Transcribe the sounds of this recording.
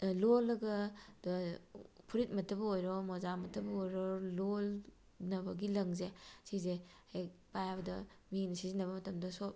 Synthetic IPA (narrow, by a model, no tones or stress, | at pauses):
lolːɐɡɐd | pʰuɾit̚mɐtʰɐbɐojɾɔmɔzamɐtʰɐbɐojɾɔlol | nɐbɐɡilɐŋzesizehek̚pajabɐdɐminɐsizenɐβɐmɐtɐmdɐsop̚